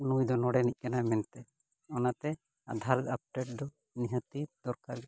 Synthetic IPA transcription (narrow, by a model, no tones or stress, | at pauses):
nujd̪ɔnɔɽɛniʔ̚ˀkanamɛnt̪ɛ | ɔnat̪ɛ | a̰d̪ʱalap̚ʈɛʈ̚d̪ɔ | niɦət̪id̪̥ɔɾkaɾɡ